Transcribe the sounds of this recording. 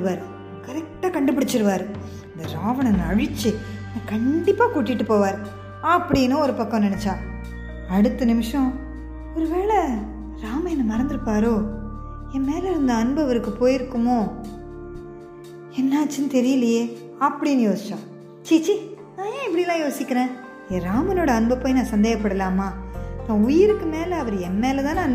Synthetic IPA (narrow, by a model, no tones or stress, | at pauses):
ɯʋaːɾɯ | kɐɾɛk̚ʈaːkɐɳɖɯp̬ːɪɽɪt͡ʃːɪɾɯʋaːɾɯ | ɐnd̪ɐɾaːʋɐɳɐnɐɻɪt͡ʃːɯnãːkɐɳɖɪpːaːkuːʈːɪʈːɯpoːʋaːɾɯ | ɐpːɐɽinɯ̃ɔɾɯpɐkːɔ̃nɪnɛt͡ʃːãː | ɐɽɯt̪ːɐnɪmɪʂɐ̃ | ɔɾɯʋeːɭɐ | ɾaːmɐɛnːɐmɐɾɐnd̪ɯɾɯpːaːɾoː | ɛmeːlɛɾɯnd̪ɐɐnbɐʋɐɾɯkːɯpoːjɪɾɯkːɯmõː | ɛnːaːt͡ʃːɯnɯt̪ɛɾɪjɐlɪjeː | ɐpːɐɽinːɯjoːsɪ̥t͡ʃːãː | t͡ʃiːt͡ʃi | nãːjẽːɪpːɐɽɪlːãːjoːsɪkʲːɪɾẽː | eɾaːmɐnoːɽɐɐnbɐpːoːjnãːsɐnd̪eːɣɐpːɐɽɐlaːmaːt̪ãːʊjɪɾɯkːɯmeːlɛɐʋɐɾɛnmeːlɛt̪ãːnaːn